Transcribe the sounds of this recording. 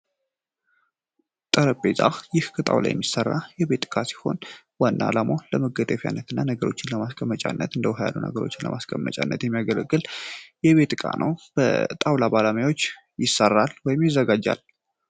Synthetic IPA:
t̪ʼəɾəpʼːezʼa̰xjɪhkʰət̪ʼa̰wlʔa̰jɛ̰mːisərːajɛbe̞t̪ʼkʼasi̥ho̞̰n | wanːalamoləməɡət̪ʼəfja̰nːət̪ʰɨnːanəɡəɾo̞t͡ʃːɪnləmaskʰʼəmːət͡ʃʼa̰nːət̪ɨnd̪əwɦaja̰lunə̰ɡəɾo̞̰t͡ʃːɪnlə̰maskʼəmːə̰t͡ʃʼa̰nːət̪jɛmːijaɡələɡːɨljɛβe̞t̪kʼa̰nʔə̰wb̥ə̰t̪ʼawlabaləmjawo̞t͡ʃː | jɪsːərːalwɔjɪmjɪzːəɡad͡ʒːa̰l

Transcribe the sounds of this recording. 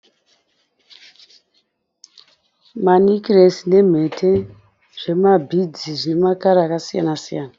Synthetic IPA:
manikiresine̞m̤e̞tʰe | ʐ̥e̞mabʱid͡ziʐinemakaɾaːkasija̰nasijaːna

